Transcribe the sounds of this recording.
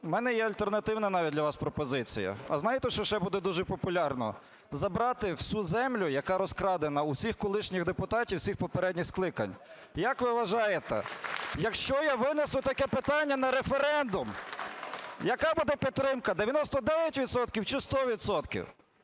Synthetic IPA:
mɛnɛjɛɐlʲt̪ernɐt̪ɪwnɐnɑʋʲt̚ʲdlʲɐʋɑspɾɔpɔzɪt͡sʲḭjɐ̰ɐ̰znɑjɪt̪ɛʃt͡ʃɔʃt͡ʃɛbud̪ɛd̪uʒɛpɔpʊlʲɑrnɔ̰ | zɐbɾɑt̪ɪw̥sʲuzɛmlʲʊjɐkɑɾɔskɾɑd̪enɐuwsʲixkɔlˠɪʃnʲixd̪epʊt̪ɑtʲiwsʲixpɔpeɾɛdʲnʲixsklˠɪkɐ̰nʲ | jɐkʋɪʋɐʒɑjet̪ɛ̰jɐkʃt͡ʃɔjaʋɪnesʊt̪ɐkɛpɪt̪ɑnʲːɐnɐɾefeɾɛnd̪ʊm | jɐkɑbud̪ɛpʲit̪ːɾɪmkɐd̪eʋʲjɐnɔst̪ɔd̪ɛʋʲjɐtʲʋʲid̪sɔt̪kʲiwt͡ʃɪst̪ɔʋʲid̪sɔt̪kʲḭw

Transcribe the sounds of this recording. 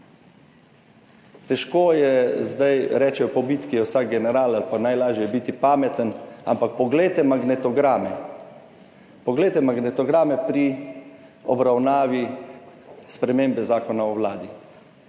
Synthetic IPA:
t̪ɛʃkoːjɛzd̪ajɾɛːt͡ʃɛɔpɔbit̪kijɛwsak̚ɡɛnɛɾaːlalpanajlaːʒjɛjɛbit̪ipaːmɛt̪əna̰mpak̚pɔɡleːt̪ɛmaɡnɛt̪ɔɡɾaːmɛ | pɔɡleːt̪ɛmaɡnɛt̪ɔɡɾaːmɛpɾi | ɔbɾawnaːʋi | spɾɛmeːmbɛzaːkɔnaɔwlaːd̪i

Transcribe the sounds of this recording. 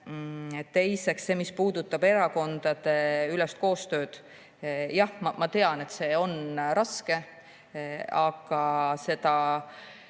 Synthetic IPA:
t̪ːe̞jse̞ksːe̞ːmispuːd̪̥ut̪ːˑɑb̥e̞ɾɑko̞nd̪̥ɑd̪̥e̞ylest̪ko̞ːst̪ø̞ːd̪̥ | jɑhmɑmɑt̪e̞ɑne̞t̪se̞o̞nɾɑske̞ | ɑɡ̥ɑse̞d̪̥ɑ

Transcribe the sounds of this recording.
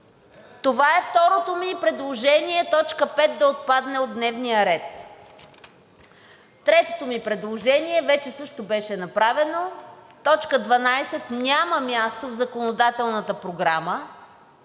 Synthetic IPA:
t̪ovaɛft̪ɔɾot̪omipɾɛd̪lˠoʒɛniɛt̪ɔt͡ʃkəpɛt̪̚d̪ɐot̪̚pad̪nɛod̪nɛvnijəɾɛt̪ | t̪ɾɛt̪ot̪omipɾɛd̪lˠoʒɛniɛvɛt͡ʃɛsɤʃt̪obɛʃɛnɐpɾavɛnot̪ɔt͡ʃkəd̪vɐnajsɛt̪nʲaməmʲjast̪ovzɐkonod̪at̪ɛlˠnət̪əpɾoɡɾamə

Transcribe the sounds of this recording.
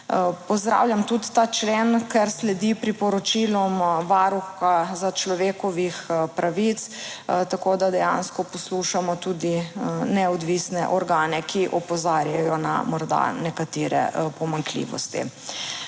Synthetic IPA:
pɔzd̪ɾa̰ːwljamt̪ut̪t̪at͡ʃleːnkɛɾslɛd̪ipɾipɔɾɔt͡ʃilɔmʋaːɾuxazat͡ʃlɔʋeːkɔʋixpɾʔaʋit̪st̪akoːd̪ad̪ɛja̰ːnskɔpɔsluʃamɔt̪uːd̪inɛɔd̪ʋisnɛʔɔɾɡaːnɛkʰiʔɔpɔzaːɾjajɔna̰mɔɾd̪a̰nɛkat̪eːɾɛ̰pɔmaŋklḭːʋɔ̰st̪ḭ

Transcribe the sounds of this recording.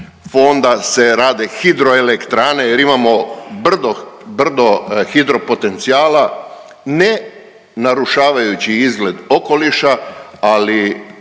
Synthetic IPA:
fo̞nd̪ase̞ɾaːd̪exid̪ɾo̞elekt̪ɾaːne̞jeɾimamo̞br̩d̪obr̩d̪o̞xid̪ɾo̞po̞t̪e̞nt̪siaːla | ne | naɾuʃaːʋajut͡ɕiizɡle̞d̪o̞ko̞liʃaali

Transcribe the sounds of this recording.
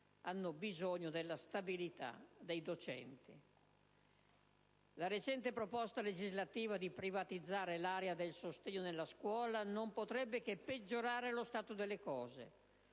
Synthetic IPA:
anːobizoɲːod̪elːast̪abilit̪a̰d̪ejd̪ot͡ʃɛ̰nt̪i | laɾet͡ʃɛnt̪epɾopɔst̪aled͡ʒizlat̪iːvad̪ipɾivat̪id̪zːaːɾelaːɾead̪elsost̪eɲːonelːaskwɔːlanompot̪ɾɛbːek̟epːed͡ʒːoɾaːɾelost̪aːt̪od̪elːekɔːzḛ

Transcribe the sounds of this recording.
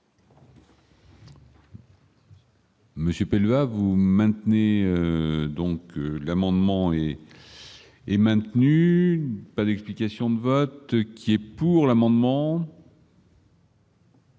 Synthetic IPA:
məsjøpɛlvavumɛ̃t̪neøød̪ɔ̃kølamɑ̃d̪mɑ̃ɛ | mɛ̃t̪ny | pad̪ɛksplikasjɔ̃d̪əvɔt̪kʲʰiɛpuʁlamɑ̃d̪mɑ̃

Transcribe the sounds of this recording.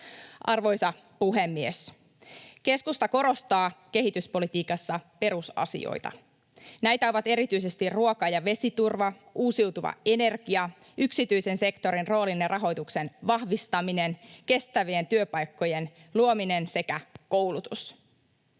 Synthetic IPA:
ʔɑ̰rʋo̞jsɑ | puɦe̞mːies | ke̞skust̪ɑko̞ɾo̞st̪ɑːke̞ɦit̪yspo̞lit̪iːkɑsːɑpe̞ɾusɑ̰sḭo̰jt̪ɑ̰ | næjt̪æo̞ʋɑt̪e̞ɾit̪yjse̞st̪irruokɑjɑʋe̞sit̪urʋɑ | uːsiwt̪uʋɑ̰e̞ne̞rɡiɑ | yksit̪yjse̞nse̞kt̪o̞ɾinro̞ːlinjɑrɑɦo̞jt̪ukse̞nʋɑhʋist̪ɑmine̞nke̞st̪æʋient̪yøpɑjkːo̞je̞nluomine̞nse̞kæko̞wlut̪us

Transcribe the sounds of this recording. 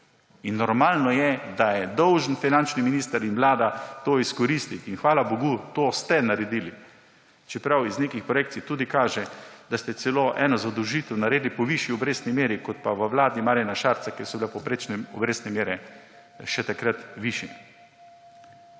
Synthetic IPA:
inːɔɾmaːlnɔjɛd̪ajɛd̪ɔwʒənfinant͡ʃniminiːst̪əɾinʋlaːd̪at̪oːiskɔɾiːst̪it̪inxʋaːlaboɡut̪oːst̪ɛnaɾɛd̪iːli | t͡ʃɛpɾawizneːkixpɾɔjeːkt̪sit̪uːd̪ikaːʒɛd̪̥ast̪ɛsɛloːʔɛ̰ːnɔzad̪əwʒiːt̪ɛwnaɾeːd̪lipɔʋiʃjiɔbɾeːsnimeːɾikɔt̪̚paʋəʋlaːd̪imaːɾjanaʃaːɾt̪sakɛsɔbilapɔpɾet͡ʃnɛɔbɾeːsnɛmeːɾɛ | ʃɛt̪akɾat̪ʋiʃjɛ

